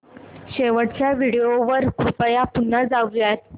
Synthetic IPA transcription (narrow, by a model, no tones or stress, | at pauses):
ɕeʋəɽt͡ɕjaʋiɽejoʋəɾkɾupəjapunːəd͡zaʋjat̪